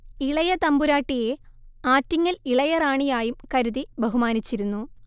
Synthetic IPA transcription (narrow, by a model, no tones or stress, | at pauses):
iɭɐjɐt̪ɐmbuɾaːʈːijeaːtːiŋːɐliɭɐjɐraːɳijaːjumkɐɾuðibɐɦumaːnit͡ɕːiɾunːu